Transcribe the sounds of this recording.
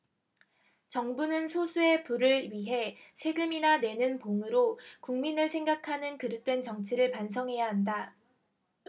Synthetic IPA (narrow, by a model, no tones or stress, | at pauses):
t͡ɕʌŋbunɯnsʰosʰue̞puɾɯɭɥiɦe̞sʰe̞ɡɯminane̞nɯnpoŋɯɾokuŋminɯɭsʰe̞ŋɡakʰanɯnkɯɾɯk̚t͈we̞nt͡ɕʌŋt͡ɕʰiɾɯɭpansʰʌŋɦe̞jaɦanda